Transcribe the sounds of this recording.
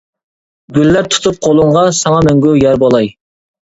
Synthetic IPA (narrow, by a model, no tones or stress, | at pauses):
ɡʲylːæɾt̪ʰu̥t̪ʰup̚qʰolˠʊɴʁɑsɑŋɑmɛŋɡʲujɛɾbolˠɑj